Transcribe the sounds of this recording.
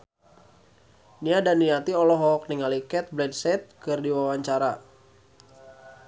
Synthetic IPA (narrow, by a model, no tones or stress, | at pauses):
niadaniat̪iɔlɔɦɔk̚niŋalikɛt̪̚blɛdsɛt̪̚kɨrdiwawaɲt͡ʃaɾa